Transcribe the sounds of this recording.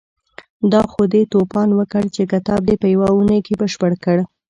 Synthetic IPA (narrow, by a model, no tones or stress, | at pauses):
d̪ɑxod̪et̪opɑnwəkəɽt͡ʃekat̪ɑb̚d̪epəjawaunəjkebəʃpəɽkəɽ